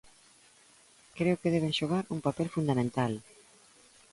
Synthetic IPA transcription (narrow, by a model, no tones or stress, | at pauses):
kɾeʊkeðɛβ̞ẽŋʃoɣ̞aɾuŋpapɛlfund̪amẽnt̪al